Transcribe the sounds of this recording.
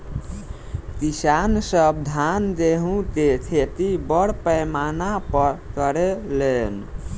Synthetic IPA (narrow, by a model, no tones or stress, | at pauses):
k̪isansəbd̪ʱand̪eɦũket͡ʃʰet̪ibəɽpəjmanapəɾkəɾelen